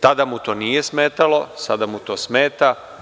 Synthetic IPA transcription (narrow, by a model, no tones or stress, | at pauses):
t̪ad̪amut̪o̞ːnijesmeːt̪alo̞sad̪amut̪o̞ːsmeːt̪a